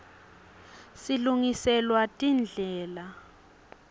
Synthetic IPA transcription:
siluŋisɛlwatʼind͡ɮʱɛːla

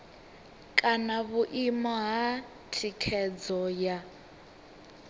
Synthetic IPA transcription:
kʼanaβuʔimaɦa | tʰikʰɛd͡zɔja

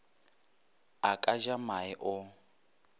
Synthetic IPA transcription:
akʼaʒamaɪʔʊ

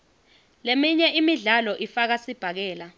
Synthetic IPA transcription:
lemiɲɛʔimiɮalɔʔifak̬asib̥ʱak̬ɛːla

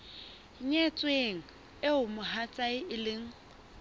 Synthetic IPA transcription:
ɲet͡sʼweŋ̩ | ɪʊmʊɦat͡sʼaɪɪlɪŋ̩

